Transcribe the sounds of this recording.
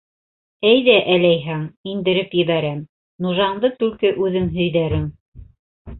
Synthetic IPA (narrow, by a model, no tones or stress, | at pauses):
æjðæʔælæjɦæŋind̪ɘ̆ɾɘpjɘ̆βæɾæm | nuʒɑɴd̪ɤt̪ʉlkɘʔʉðɘŋɦɵ̆jðæɾɘŋ